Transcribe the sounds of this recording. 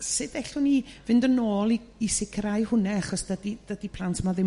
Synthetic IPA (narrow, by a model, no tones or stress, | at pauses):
sɨdɛɬʊnivɪndənoːlˠiisɪkʰəɾajhʊnɛaχɔsd̥ədid̥ədipʰlˠantʰəmaðɪ